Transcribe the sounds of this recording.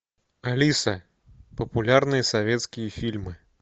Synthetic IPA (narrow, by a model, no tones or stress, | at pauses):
alʲisɐ | pɐpulʲarnɨjɐsavʲɛt̪skʲijɐfʲilʲmɨ